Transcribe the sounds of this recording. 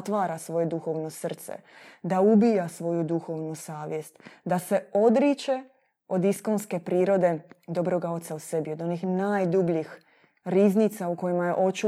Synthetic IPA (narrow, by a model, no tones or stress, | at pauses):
t̪ʋaːɾasʋo̞je̞d̪uxo̞ːʋno̞sr̩t̪sḛ | d̪aubijasʋo̞jud̪uxo̞ʋnusaːʋjest̪d̪ase̞o̞d̪ɾit͡ʃe̞ | o̞d̪iskonske̞pɾiːɾo̞d̪e̞d̪o̞bɾo̞ɡao̞t̪sause̞bio̞d̪o̞nixnaːjd̪ubʎix | ɾiːznit̪sauko̞jimaje̞ʔo̞t͡ʃu